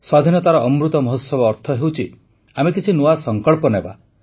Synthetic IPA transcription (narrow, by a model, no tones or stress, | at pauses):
swad̪ʱinɔt̪aɾɔʔːmɾut̪ɔmɔɦɔt̪sɔbɔːɾt̪ʰɔɦewt͡ʃʰi | amekit͡ʃʰinoasɔŋkɔɭpɔneba̰